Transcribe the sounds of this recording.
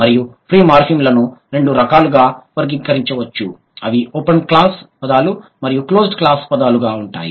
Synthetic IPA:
mɐɾijupʰɾiːmaːɾpʰimlɐnuɾe̞ɳɖuɾɐkaːluɡaːʋɐɾɡiŋkɐɾiɲt͡ʃɐʋɐt͡ʃːṵ | ɐʋiʔoːpɐnklaːspɐd̪aːlumɐɾijuklo̞ːsɖklaːspɐd̪aːluɡaːuɳʈaːjḭ

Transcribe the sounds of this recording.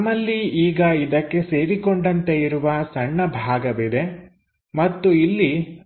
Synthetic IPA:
ɐmːɐlːiiːɡɐid̪ɐkːe̞seːɾikoɳɖɐnt̪e̞iɾuʋɐsɐɳːɐbʱaːɡɐʋid̪e̞ | mɐt̪ːuilːi

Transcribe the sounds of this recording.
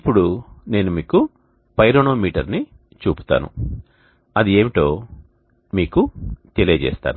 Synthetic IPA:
ipːuɽune̞ːnumiːku | pɐjɾoːnoːmiːʈɐɾni | t͡ʃuːpu̥t̪a̰ːnṵ | ɐd̪ie̞ːmiʈo̞ː | miːkut̪elijɐd͡ʒɛ̰ːst̪a̰ːnu

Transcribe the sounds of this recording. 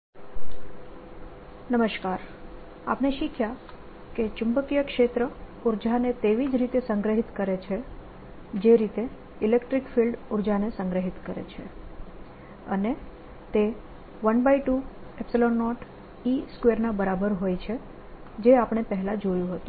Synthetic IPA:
nəməʃkaɾ | a̰pneʃikʰja | ket͡ʃʊmbəkijəkʃet̪ɾə | uɾd͡ʒʱanet̪eʋid͡ʒɾit̪esəŋɡɾəɦit̪kəɾet͡ʃʰe | d͡ʒeɾit̪e | ilekʈɾikfilɖuɾd͡ʒanesəŋɡɾəɦit̪kəɾḛt͡ʃʰḛ | ə̰ne | t̪e | ʋənbajʈuepsilonːɔʈ | iskʋeɾnabəɾabəɾɦojt͡ʃʰe | d͡ʒeapɳ̃epəɦɛlad͡ʒojũɦət̪ũ

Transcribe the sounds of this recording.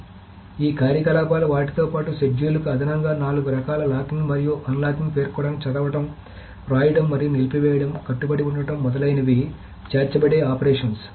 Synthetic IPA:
iːkaːɾjɐkɐlaːpaːluʋaːʈi̥t̪oːpaːʈuseɖd͡ʒuːlukuɐd̪ʱɐnɐŋɡaːnaːluɡuɾɐkaːlɐlaːt̪iŋɡmɐɾijuʔɐnlaːt̪impe̞ːɾkɔːɽɐmt͡ʃɐd̪ɐʋɐʈɐm | ɾaːjɖɐmːɐɾijunilpiʋɛːjɐɽɐmkɐʈːubɐɽiuɳɖɐʈɐmːɔd̪ɐlɐjnɐʋi | t͡ʃeːɾt͡ʃɐbɐɽeːaːpɐɾeːʂɐns

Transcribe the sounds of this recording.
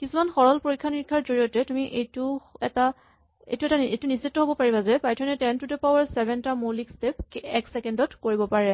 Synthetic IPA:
kisumanxɔɹɔlpoɹikʰːaniɹikʰːaɹzoɹijɔtɛtumiʔejtuɛta | ḛjtuɛtaḛjtunisitːɔɦobɔpaɹibazɛpajtʰɔnɛtɛntutɛpawaɹsɛbɛntamolikstepɛksɛkɛndɔtkoɹibɔpaɹɛ

